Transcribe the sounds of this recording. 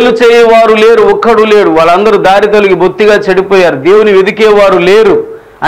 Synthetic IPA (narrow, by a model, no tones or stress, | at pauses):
lut͡ʃeːjɐʋaːɾule̞ːɾuɔkːɐɽuleːɽuʋaːɭːɐnd̪ɐɾud̪aːɾit̪ɐliɡibʱut̪ːiɡaːt͡ʃɐɽipɔːjaːɾud̪eːwuniʋid̪ikɛːʋaːɾuleːɾu | ɐ